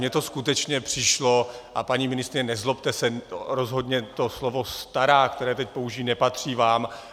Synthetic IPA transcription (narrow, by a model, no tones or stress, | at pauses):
ɲɛt̪oskut̪ɛt͡ʃɲɛpr̝̥ɪʃlo̞ʔapaɲiːmɪnɪst̪ɾɪɲɛnɛzlo̞pt̪ɛsɛɾo̞zɦo̞d̪ɲɛt̪o̞slo̞vo̞st̪aɾaːkt̪ɛɾɛːt̪ɛc̚po̞uʒiːnɛpat̪r̝̥iːvaːm